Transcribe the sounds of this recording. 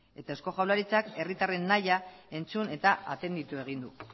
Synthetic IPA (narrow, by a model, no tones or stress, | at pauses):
e̞t̪ae̞sko̞ʝawlaɾit͡sake̞rit̪are̞nːajae̞nt͡sune̞t̪aa̰t̪e̞nd̪it̪ue̞ɣ̞ind̪u